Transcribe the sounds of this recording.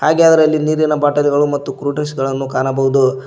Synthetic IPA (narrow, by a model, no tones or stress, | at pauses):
haːɡead̪ɐɾɐlːiniːɾinɐbaːʈɐliɡɐɭumɐt̪ːukɾuːʈinsɡɐɭɐnːukaːnɐbɐɦud̪u